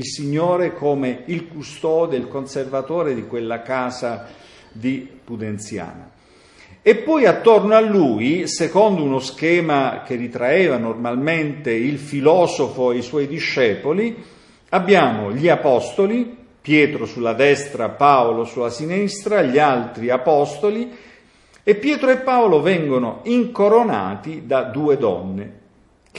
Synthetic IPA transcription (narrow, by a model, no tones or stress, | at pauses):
ilsiɲːoːɾekoːmeilkust̪ɔːd̪eilkonservat̪oːɾed̪ikwelːakaːza | d̪ipud̪ent̪sja̰ːno̰ | epːɔjat̪ːornoalːuːjisekɔnd̪ounosk̟ɛːmak̟erit̪ɾaɛːvanormalment̪eilfilɔːzofoejswɔjd̪iʃːɛːpoli | abːjaːmoʎiapɔst̪oli | pjɛːt̪ɾosulːad̪ɛst̪ɾapaːolosulːasinist̪ɾaʎialt̪ɾiapɔst̪oli | epːjɛːt̪ɾoepːaolovɛŋɡonoiŋkoɾona̰ːt̪id̪ad̪uːed̪ɔ̰nːe